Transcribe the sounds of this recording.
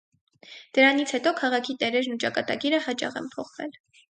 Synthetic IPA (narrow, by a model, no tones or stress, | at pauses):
d̪̥əɾɑnit͡sʰhɛt̪ɔkʰɑʁɑkʰit̪ɛɾɛɾnut͡ʃɑkɑt̪ɑɡiɾəhɑt͡ʃɑ̰ʁɛ̰mpʰɔχvɛ̰l